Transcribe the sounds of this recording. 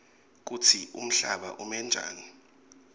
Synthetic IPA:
k̬ut͡sʰiʔum̩ɬaɓa̰ʔumɛnd͡ʒʱa̰ːni

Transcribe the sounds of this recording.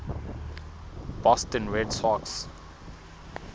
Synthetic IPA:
b̥ɔstə̃nɹɛdsɔks

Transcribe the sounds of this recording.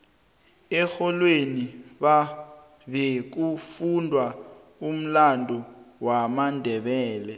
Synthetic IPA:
ɛxɔlweniɓa | ɓek̬ufundʱwa | um̩landʱɔwamandʱɛɓɛːlɛ

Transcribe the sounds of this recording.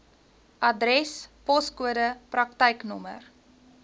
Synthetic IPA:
ʔɐdrɛspɔskuədəprɐktəjknɔmə̰r

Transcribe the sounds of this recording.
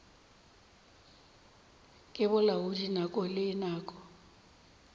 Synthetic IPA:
kʼɪbʊlaʊdinakʼɔlɪːnaːkʼɔ̥

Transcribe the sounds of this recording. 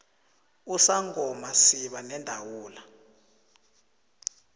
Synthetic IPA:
usaŋɔmasiɓanɛndʱawuːla

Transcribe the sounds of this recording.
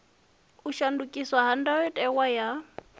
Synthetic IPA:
uʃandukʼiswaɦan̩daɔtʼɛwaja

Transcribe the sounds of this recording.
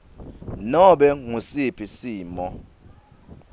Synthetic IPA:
nɔɓɛŋusipʰisiːmɔ

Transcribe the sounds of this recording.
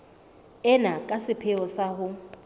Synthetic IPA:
ɛnakʼasɪpʰɪɔsaɦʊ

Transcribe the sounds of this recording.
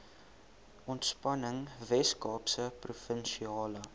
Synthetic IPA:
ʔɔntspɐnəŋvɛskɑːpsəprufənʃiɑːlə

